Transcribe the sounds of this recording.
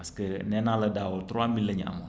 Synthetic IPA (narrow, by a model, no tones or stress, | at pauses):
askənɛnalɐdawot̪ɾwamilːəɲa̰mo